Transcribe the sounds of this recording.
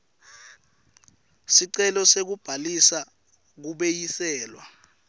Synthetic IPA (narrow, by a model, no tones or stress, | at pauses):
siǀɛlɔsek̬ub̥ʱalisa | k̬uɓejisɛːlwa̰